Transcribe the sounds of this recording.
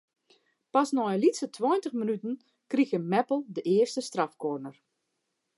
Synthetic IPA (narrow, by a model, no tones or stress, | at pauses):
pɑsnɔjlitsətʰwɔjntəxmənytən̩ | kriɣəmɛpəlˠdəʔɪərstəstrɑfkoːrnər